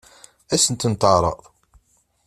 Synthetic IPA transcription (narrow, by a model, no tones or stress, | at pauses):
æsənt̪nt̪ɑɾˤɑ̰ˤ